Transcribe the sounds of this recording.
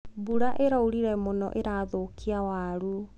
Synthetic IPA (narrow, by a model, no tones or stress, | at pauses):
buɾaʔeɾauɾiɾɛmonɔ̰ʔeɾaðokʰiawaɾu